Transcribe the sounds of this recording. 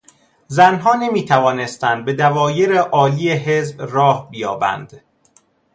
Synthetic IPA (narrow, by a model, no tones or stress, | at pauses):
zænɦɒːne̞miːt̪ʰævɒːne̞st̪ænd̪̚be̞d̪ævɒːje̞ɾeʔɒːliːjeɦe̞zbɾɒːhbijɒːbæ̰nd̪̥